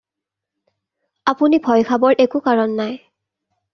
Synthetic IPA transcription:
apunibʱɔjkʰabɔɹʔekukaɹɔnːaj

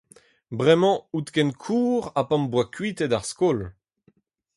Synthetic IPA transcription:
bʁɛmɑ̃ut̪kɛnkʰuːʁapɑ̃mbwakɥit̪ɛdaʁskol

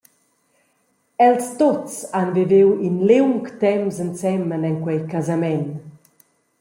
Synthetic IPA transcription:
ɛlst̪ot͡sanvivewinlewŋkt̪ɛmzənsɛmənɛŋkwɛjkazamɛn

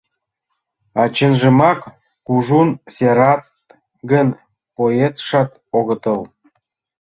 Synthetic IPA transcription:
ɑt͡ɕənʒə̆mɑk | kuʒunseɾɑt̪̚ | ɡən | poet̪ʃɑt̪ | oɣət̪əl

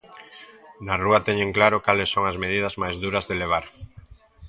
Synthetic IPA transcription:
nɐruɐt̪ɛɲeŋklaɾʊkalɪsoŋɐzmeð̞ið̞ɐzmajzðuɾɐzðeleβ̞aɾ

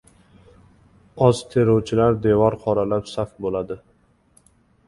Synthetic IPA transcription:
ɒz̥t̪ʰeɾowt͡ʃʰɪlaɾd̪evɒɾqʰɒɾalapsafbolad̪ɪ

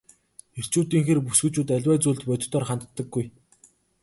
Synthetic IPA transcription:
er̥t͡ɕuːt̪iːŋxeːrpusɡɘ̆t͡ɕuːt̪æɮʲwæːt͡suːɮt̪pœt͡ɕ̪̆ʲʰt̪ɔːrχant̪t̪ːə̆ɡːuj

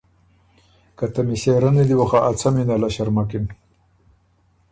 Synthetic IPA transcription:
kat̪amiɕeɾaned̪iwoxaʔːt͡sʰaminalaɕaɾmakin

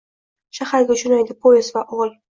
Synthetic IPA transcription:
ʃahaɾɡʲaʊt͡ʃʰʊnajd̪ɪpʰoezvaʔɒlˠ

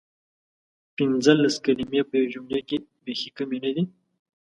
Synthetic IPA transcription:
pɪnzəlːaskalimijapəjawʒʊmlakebexikamenad̪i

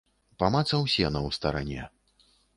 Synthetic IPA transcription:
pamat̪sɐwsʲɛnɐwst̪ɐɾa̰nʲɛ̰

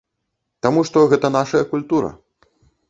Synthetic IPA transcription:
t̪amuʂt̪ɔɣɛt̪ɐnaʂɐjɐkulʲt̪uɾɐ̰

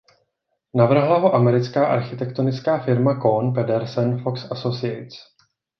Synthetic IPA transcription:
navr̩ɦlaɦo̞ʔamɛɾɪt͡skaːʔaɾxɪt̪ɛkt̪onɪt͡skaːfɪɾmakonpɛdɛɾsɛnfoksʔasosɪɛt͡s

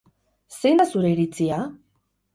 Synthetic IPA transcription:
sejnd̪asuɾeiɾit͡sia

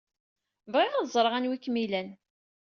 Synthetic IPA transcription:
vʁɪʁaðzˤɾˤʁænwikːmilæn

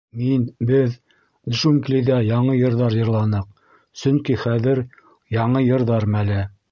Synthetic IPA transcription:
minbɘð̆ | ʃumkliðæjɑɴɤjɤ̆ɾðɑɾjɤ̆ɾlˠɑnɤq̚ | sɵŋkiχæðɘɾ | jɑɴɤjɤ̆ɾðɑɾmælæ

